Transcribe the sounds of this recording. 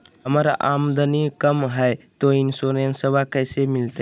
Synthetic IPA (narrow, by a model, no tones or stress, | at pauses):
ɦəmaɾa̰ʔamd̪ənikəmɦɛɪt̪oinsoɾensəbakəɪsemɪlt̪e